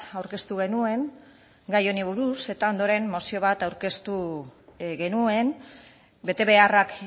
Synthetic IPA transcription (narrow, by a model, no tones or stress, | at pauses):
awɾke̞st̪uɣ̞e̞nue̞ŋ | ɡajo̞niβ̞uɾuse̞t̪ao̞nd̪o̞ɾe̞nmo̞sio̞β̞at̪awɾke̞st̪u | ɣe̞nue̞n | be̞t̪e̞βe̞arak